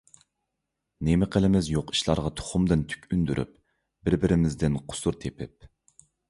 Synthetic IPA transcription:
nemɪqʰəlɪmɪzjoqi̥ʃlˠɑɾʁɑt̪ʰo̥χʊmd̪ɨnt̪ʰy̥kʲynd̪yɾʔy̰p | bɪɾbɪɾɪmɪzd̪ɪnqʰʊ̥suɾt̪ʰepʰɪp̚

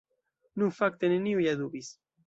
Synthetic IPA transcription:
nuŋfak̚t̪eneniujaðuβis

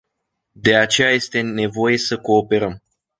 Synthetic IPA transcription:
d̪e̞at͡ʃe̞jaje̞st̪e̞ne̞vo̞je̞səko̞ːpe̞ɾəm

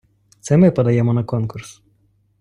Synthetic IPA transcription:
t̪sɛmɪpɐd̪ɐjɛmɔnɐkɔnkʊɾs

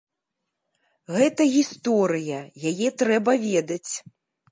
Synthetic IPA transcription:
ɣɛt̪ɐɣʲist̪ɔɾɨjɐjajɛt̪ɾɛbɐvʲɛd̪ɐt͡sʲ

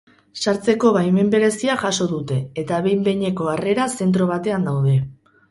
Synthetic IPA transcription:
saɾt͡se̞ko̞βajme̞mbe̞ɾe̞siaʝaso̞ðut̪e̞ːt̪aβe̞jmbe̞ɲe̞ko̞are̞ɾase̞nt̪ɾo̞β̞at̪e̞and̪awð̞e̞

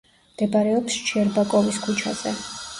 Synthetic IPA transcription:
md̪̥ɛbɾɛɔpst͡ʃʰiɛɾbakʼɔviskʰut͡ʃʰaz̥ɛ

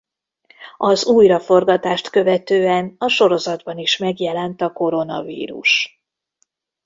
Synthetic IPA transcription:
ɒzuːjrɒfo̞rɡɒt̪aːʃt̪kø̞vɛt̪øːɛnɒʃo̞ɾo̞zɒd̪bɒniʃmɛɡjɛlɛnt̪ɒko̞ɾo̞nɒ̰vḭːɾṵʃ

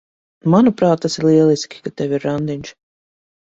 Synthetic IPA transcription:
manupɾaːt̪̚t̪ːasiɾlˠiɛlˠiskʲi̥kat̪ɛwʲiɾːand̪inʲʃ

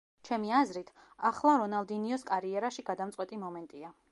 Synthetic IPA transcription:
t͡ʃʰɛmiazɾit̪ʰ | aχlˠaɾɔnalˠd̪iniɔskʼaɾiɛɾaʃiɡad̪amt̪sʼqʼwɛt̪ʼimɔmɛnt̪ʼia

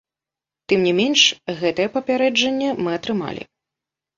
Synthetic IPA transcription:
t̪ɨmnʲimʲɛnʂɣɛt̪ɐjɛpɐpʲaɾɛd͡ʐɐnʲːɛmɨɐt̪ɾɨma̰lʲḭ

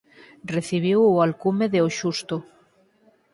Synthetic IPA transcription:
reθiβ̞iwoalkumeðeoʃust̪o

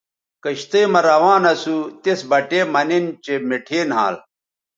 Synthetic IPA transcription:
kɐɕt̪ɐjmɐɾɐwaːnɐsut̪esbɐʈeːmɐnent͡ɕemeʈʰeːnɦaːl

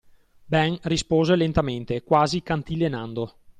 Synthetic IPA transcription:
bɛŋrispoːzelent̪ament̪ekwaːzikant̪ilenand̪o

